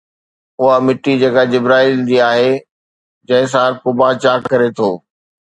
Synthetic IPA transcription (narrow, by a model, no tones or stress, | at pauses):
ʊɦamɪʈːid͡ʑeːkad͡ʑɪbɾaːild͡ʑiːaːɦe | d͡ʑɐ̃ɦɪ̃s̬aːɾkʊbat͡ɕaːkkɐɾet̪ʰoː